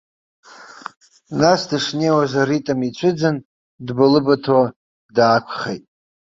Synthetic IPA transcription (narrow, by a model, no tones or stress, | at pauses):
nasdɨʂnejwazaritʼamit͡ɕʷʰɨd͡zɨn | dbalɨbatʰo | daːkʷʰχḛjtʼ